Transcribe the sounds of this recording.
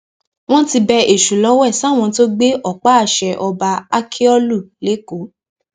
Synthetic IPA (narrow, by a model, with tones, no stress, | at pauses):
w̃ɔ̃˦ti˧bɛ˧e˨ʃu˨lɔ˦wɛ˦˨sa˦˨w̃ɔ̃˧to˦ɡ͡be˦ʔɔ˦˨k͡pa˦a˦˨ʃɛ˨ʔɔ˧ba˧a˦kʰi˦ɔ˦lu˦˨le˨˦ko˨˦